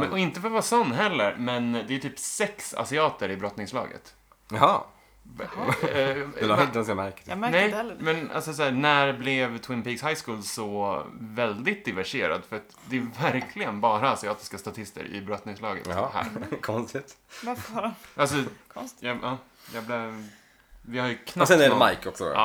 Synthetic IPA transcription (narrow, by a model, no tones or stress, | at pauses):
ɔɪnt̪əfɔɾvɑːsɔnːɦɛlːəɾmɛnd̪ɛæjt̪ʰyːpsɛksa̰sɪɑːt̪əɾɪbɾɔt̪nɪŋslɑ̰ːɡə̰t̪ | hɑ | d̪ɛsamæɾkə̥mænɛj̪mɛna̰lsɔs̬ɔæːnæɾblɛvt̪ʰwɪnpiːɡshajskuːlsɔvɛld̪ɪt̪̚d̪ɪvæʂeːɾa̰d̪fœɾat̪d̪ɛvæɾkʰlɪɡənbɑːɾaːsɪɑːt̪ɪ̥skast̪at̪ʰɪst̪ə̰ɾɪ̰bɾɔt̪nɪŋslɑːɡə̰t̪hhæ̰ːɾkʰɔnst̪ɪt̪ | ʔals̬ɔɔjɑɑː | jɑblɛ | vɪhaɾjɵkʰnasɛnɛmajkɔksɔ̰ɑ̰ː